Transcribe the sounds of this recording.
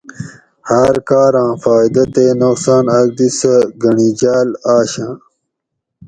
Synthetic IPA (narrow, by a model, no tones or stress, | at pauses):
haːɾkaːɾãːfaːjd̪ɐt̪eːnoqsaːnɐɡ̚d̪isɐɡɐɳiːd͡ʑaːlaːɕãː